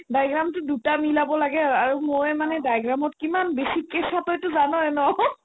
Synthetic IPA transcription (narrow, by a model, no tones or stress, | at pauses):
dajɡɹamtʊdutamilabɔlaɡɛaɹumojɛmanɛdajɡɹamɔt̚kimanbesikɛsatɔjtʊzanɔɛnɔ